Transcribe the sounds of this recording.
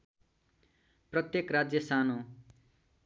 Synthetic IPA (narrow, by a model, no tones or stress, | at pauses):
prʌt̪jekrad͡zjʌsano